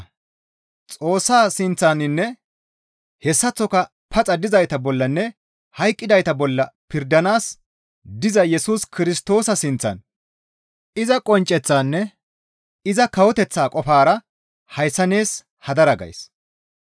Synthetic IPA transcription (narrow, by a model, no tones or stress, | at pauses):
t͡sʼo̞ːsːaːsɪnt͡sːanɪnːɛ | hɛsːɐt͡sːɔkɐ | pʰɐt͡sʼɐd̪ɪzɐjt̪ɐbɔlːɐnːɛ | hɐjkʼːɪd̪ɐjt̪ɐbɔlːɐpɪɾd̪ɐnaːs | d̪ɪzɐjɛsuːskɪɾɪst̪o̞ːsɐsɪnt͡sːɐ̰n | ɪzɐkʼɔnt͡ʃʼːɛt͡sːaːnːɛ | ɪzɐkɐwɔt̪ɛt͡sːaːkʼɔfaːɾɐ | hɐjsːɐneːs | hɐd̪ɐɾɐɡɐ̰js